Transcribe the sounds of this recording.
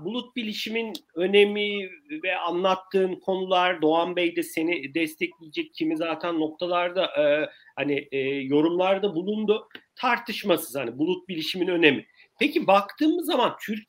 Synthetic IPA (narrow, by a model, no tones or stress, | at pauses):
bulˠut̪̚bilʲiʃiminø̞ne̞mivɛanlˠat̪ʰːɯːnkʰo̞nulˠaɾd̪o̞anbɛjd̪ɛse̞nid̪ɛst̪ʰɛclʲijed͡ʒɛc̚cʰimizaːt̪ʰænːo̞k̚t̪ʰalˠaɾd̪aʔɯ | haniːjo̞ɾumlˠaɾd̪abulˠund̪ʊt̪ʰaɾt̪ʰɯʃmasɯzhanibulˠut̪̚bilʲiʃiminø̞ne̞mi | pecibakt̪ʰɯːmɯzːamant̪ʰyɾ